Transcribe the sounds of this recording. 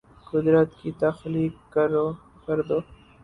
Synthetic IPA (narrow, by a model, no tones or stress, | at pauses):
kʊd̪ɾət̪kit̪ɐxliːkːɐɾo | kɐɾd̪oː